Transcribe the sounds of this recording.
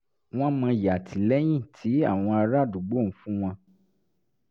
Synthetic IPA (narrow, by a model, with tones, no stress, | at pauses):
w̃ɔ̃˦mã˧ja˨tʰi˨lɛ˦j̃ĩ˦˨tʰi˨˦a˦˨w̃ɔ̃˧a˧ɾa˦˨du˨ɡ͡bo˦˨n̩˨˦fũ˦w̃ɔ̃˧